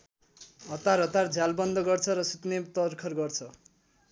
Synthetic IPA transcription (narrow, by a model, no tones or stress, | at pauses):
ɦʌt̪arɦʌt̪ard͡zʱalbʌnd̪ʌɡʌrt͡sʰʌɾʌsut̪net̪ʌrkʰʌrɡʌrt͡sʰʌ